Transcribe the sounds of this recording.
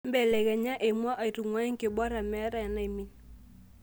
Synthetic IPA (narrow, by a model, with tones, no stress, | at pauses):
m˦bɛ˦˨lɛ˨kɛ˨ɲa˦ʔe˨mwa˦ʔa˨i˨tu˨ŋwa˦i˦ŋke˨bɔ˦ɾa˨mɛ˦ɾa˦a˨na˦˨i˨mi˨n